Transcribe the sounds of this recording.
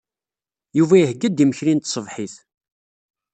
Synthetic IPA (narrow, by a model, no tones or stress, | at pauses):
juvæjəhɡːæd̪iməçɾint̪sˤəvħiθ